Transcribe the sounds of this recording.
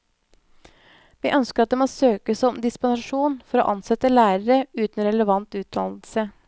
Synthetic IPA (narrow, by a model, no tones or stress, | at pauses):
ʋiːʔœnskəɾɑt̪d̪eːmoːsøːkəsɔmd̪ɪspɑnʂuːnfɔɾo̰ːʔɑnsɛt̪ːəlæːɾəɾəʉːt̪n̩ɾɛləʋɑnt̪ʉːt̪̚d̪ɑ̰ːnlsə